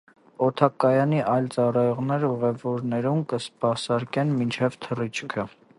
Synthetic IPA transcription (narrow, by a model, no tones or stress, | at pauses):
ɔt̪ʰɑkɑjɑniʔɑjlt͡sɑrɑjɔʁnɛɾəuʁɛvɔɾnɛɾumkəspɑsɑɾkɛnmint͡ʃʰɛvt̪ʰərit͡ʃʰkʰə